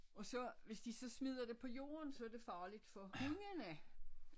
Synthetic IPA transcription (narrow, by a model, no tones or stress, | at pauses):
ɒ̽sɒ̽ʋe̝sd̥isɒ̽smið̞̰ˠɐd̥epʰɒ̽jo̝̰ːɐnsɒ̽æɐd̥e̝fɑ̈ːlid̥fɒ̽kyŋənæ